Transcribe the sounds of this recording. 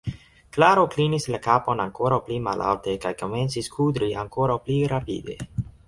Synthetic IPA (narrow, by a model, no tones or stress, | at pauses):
klaɾo̞klinislakapo̞naŋko̞ɾawplima̰lʔa̰wtekajko̞me̞nt͡siskʰud̪ɾiaŋkoɾawpliɾapḭd̪e̞̰